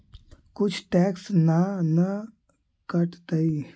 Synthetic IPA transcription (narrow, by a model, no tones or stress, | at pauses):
kʊt͡ʃʰʈɛːksnanə | kəʈt̪əi